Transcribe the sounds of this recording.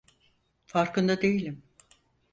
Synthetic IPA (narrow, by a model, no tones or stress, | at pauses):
faɾkɯnd̪ad̪e̞jilʲim